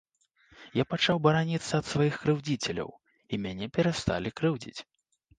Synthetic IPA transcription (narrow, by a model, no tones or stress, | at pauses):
japat͡ʂawbɐɾanʲit̪sːɐːt̪svajixkɾɨwd͡zʲit͡sʲɛlʲɐ̰w | imʲanʲɛpʲɛɾast̪a̰lʲikɾɨwd͡zʲḭt͡sʲ